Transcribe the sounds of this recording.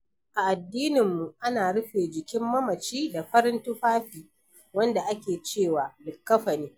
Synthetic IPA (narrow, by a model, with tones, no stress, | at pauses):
ʔa˨ʔa˨dːiː˦nɪ˨mːu˨ʔa˦naː˨ɽʊ˦ɸeː˨d͡ʒɪ˨kʲɪ˦mːɐ˦mɐ˨t͡ʃiː˦da˨ɸɐ˦ɾɪ˦ntʊ˦ɸaː˦ɸiː˨ | wɐ˦nda˨ʔa˦kʲeː˨t͡ʃeː˦˨waː˨dɪ˨kːɐ˦ɸɐ˨niː˦